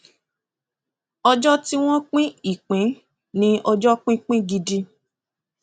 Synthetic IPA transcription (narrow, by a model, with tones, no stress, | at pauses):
ɔ˧d͡ʒɔ˦ti˦w̃ɔ̃˦k͡pĩ˦i˦˨k͡pĩ˨˦ | nĩ˦ʔɔ˧d͡ʒɔ˦k͡pĩ˦k͡pĩ˦ɡi˧di˧